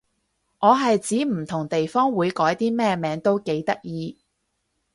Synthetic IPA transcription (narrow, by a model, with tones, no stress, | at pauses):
ʔɔː˨˧ɦɐ˨jt͡siː˨˥m̩˨˩t̪ʰʊ˨˩ŋt̪e˨jfɔː˥ŋwuː˨˧jkɔː˨˥jt̪iː˥mɛː˥mɛː˨˥ŋt̪o˥wke˨˥jt̪ɐ˥k̚jiː˧